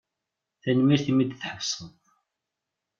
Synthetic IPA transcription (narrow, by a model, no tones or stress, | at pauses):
θænmiɾθimid̪θħəksˤət